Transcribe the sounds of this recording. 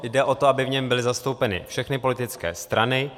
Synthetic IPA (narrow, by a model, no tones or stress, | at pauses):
jdɛʔo̞t̪oabɪvɲɛmbɪlɪzast̪o̞wpɛnɪ̰fʃɛxnɪpo̞lɪt̪ɪt͡skɛ̰ːst̪ɾʔanɪ